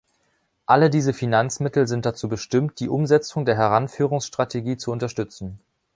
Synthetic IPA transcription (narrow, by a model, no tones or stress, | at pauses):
ʔalədiːzəfinant͡smɪtl̩zɪnt̚d̥at͡suːbəʃtɪmt̚d̥iːʔʊmzɛt͡sʊŋdeːɐɦɛʁ̞anfyːʁʊŋsʃtʁ̥atʰeɡiːt͡suʊntɐʃtʏt͡sn̩